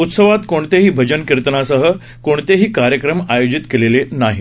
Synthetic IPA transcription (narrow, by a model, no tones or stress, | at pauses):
ut̪səʋat̪koɳt̪eɦiːbʱəd͡ʑənkiɾt̪ənasəɦə | koɳ̃t̪eɦiːkaɾjəkɾəmajod͡ʑit̪kelelenaɦḭ